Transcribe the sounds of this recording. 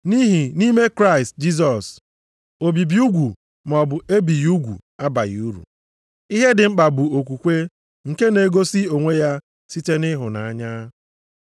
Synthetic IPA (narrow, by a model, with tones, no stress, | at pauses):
ni˦ɦi˨ni˦me˦kɾa˦ɪ˨st̚d͡ʒi˦s̬ɔ˨s | o˨bi˨bi˦u˦ɡʷu˨ | m˨ɔ˨bʊ˨e˦bi˨ju˦ɡʷṵ˨a˦ba˨ji˨u˦ɾṵ˨ | i˦ɦe˦dɪ˨ŋ͡m̩˦k͡pa˨bʊ˨o˨kʷu˨kʷe˦ | ŋ̩˨ke˦ne˨˦ɡo˦si˦o˨ŋʷe˦ja˦ | si˦te˦nɪ˦ɦʊ˨na˨a˦ɲa˦